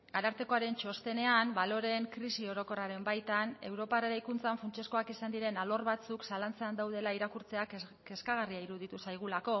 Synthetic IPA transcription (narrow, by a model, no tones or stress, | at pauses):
aɾaɾt̪e̞ko̞aɾe̞nt͡ʃo̞st̪e̞ne̞ambalo̞ɾe̞ŋkɾisio̞ɾo̞ko̞raɾe̞mbajt̪ane̞wɾo̞pareɾajkunt͡saɱfunt͡ʃe̞sko̞akisand̪iɾe̞nalo̞rβat͡suksalant͡seand̪awð̞e̞laiɾakuɾt͡se̞akke̞skaɣariaiɾuð̞it̪usajɣ̞ulako̞